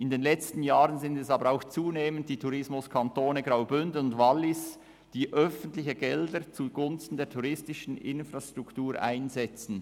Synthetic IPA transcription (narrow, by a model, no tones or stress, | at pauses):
ʔɪndeːnlɛt͡stn̩jaːʁənzɪndɛsɑːbəɾaʊxt͡suːneːmən̚d̥iːtʰuɾɪsmʊskʰantoːnəɡʁaʊbʏndəʊndvalːɪs | d̥iːʔœfən̩tlɪçəɡ̥ɛldət͡suɡ̥ʊnstn̩deːɐtʰuʁɪstɪʃn̩ʔɪ̰nfʁaʃtʁ̥uktuːɾʔa̰ɪnzɛt͡sn̩